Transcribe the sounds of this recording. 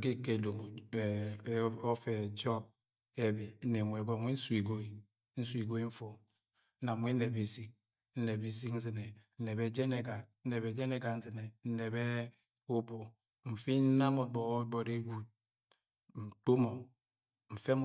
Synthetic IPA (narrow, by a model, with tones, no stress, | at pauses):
ki˦ke˨do˨mo˨˦ | o˦fe˨d͡ʒɔ˦b̚ | e˦be˨˦ne˨ŋʷe˨ɡɔ˦ŋʷe˦n̩˦swi˨ɡo˦i˨ | n̩˦si˨ɡo˦i˦ɱ̩˦fo˨˦ | na˨mwʷe˦ne˨be˨si˦k̚ | n̩˦ne˨be˨s̬i˦kn̩˦zɨ˨ne˨n̩˦ne˨be˦d͡ʒe˦ne˨ɡa˨n̩˦ne˨be˨d͡ʒe˦ne˦ɡa˨n̩˦zɨ˨ne˨n̩˦ne˨be˦ | o˦bo˨ | m̩˨fi˦n̩˦na˦mo˨bɔ˨˦bɔ˨ɾe˦ɡu˨t̚ | n̩˨k͡po˦mo˨ | ɱ̩˨fe˦